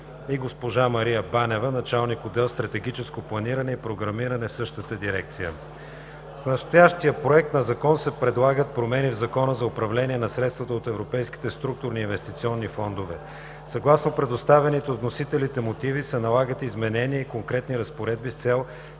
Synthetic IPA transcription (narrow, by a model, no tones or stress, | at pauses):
iɡospoʒamɐɾijəbanɛvənɐt͡ʃalˠnikod̪ɛlˠst̪ɾɐt̪ɛɡit͡ʃɛskoplˠɐniɾɐnɛipɾoɡɾɐmiɾɐnɛfsɤʃt̪ət̪əd̪iɾɛk̚t̪sijə̰ | snɐst̪ojaʃt̪ijəpɾoɛk̚t̪nɐzɐkɔnsɛpɾɛd̪lˠaɡət̪̚pɾomɛnivzɐkɔnəzɐʊpɾɐvlɛnʲiɛnɐsɾɛt̪st̪vɐt̪əot̪ɛvɾopɛjski̥t̪ɛst̪ɾuk̚t̪ʊɾniːnvɛst̪it̪siɔnːifɔnd̪ovɛ | sɐɡlˠasnopɾɛd̪ost̪avɛnit̪ɛot̪nosit̪ɛlit̪ɛmot̪ivisɛnɐlˠaɡət̪izmɛnɛniəikoŋkɾɛt̪niɾɐspoɾɛd̪̚bist̪sɛlˠ